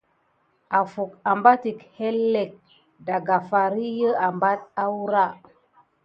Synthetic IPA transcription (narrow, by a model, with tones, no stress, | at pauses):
a˨fu˨k̚a˨mba˦ti˨khe˦lːe˨k̚ | da˨ɡa˨fa˨ɾi˦jə˦a˨mba˦t̚a˦wu˦ɾa˦